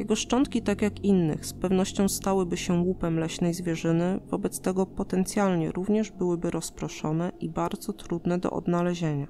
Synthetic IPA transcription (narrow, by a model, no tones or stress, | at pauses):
jɛɡɔʂt͡ʂɔnt̪̚kʲit̪akʲjakinːɘ̰xspɛvnɔɕt͡ɕɔ̃w̃st̪awɘbɘɕɛwupɛmlɛɕnɛjzvʲjɛʐɘnɘvɔbɛt̪st̪ɛɡɔpɔt̪ɛnt̪sʲjalɲɛ̰ɾuvɲɛʐbɘwɘbɘɾɔspɾɔʂɔnɛibaɾd̪zɔt̪ɾud̪nɛd̪ɔ̰ʔɔ̰d̪nalɛʑeɲa